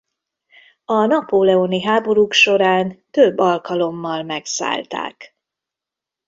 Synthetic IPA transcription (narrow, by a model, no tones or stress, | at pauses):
ɒnɒpoːlɛoniɦaːbo̞ɾukʃo̞ɾaːnt̪øbːɒlkɒlo̞mːɒlmɛksa̰ːlt̪a̰ːk